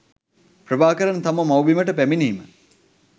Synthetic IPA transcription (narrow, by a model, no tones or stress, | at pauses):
pɾəbaːkəɾant̪aməmawʋiməʈəpæminiːmə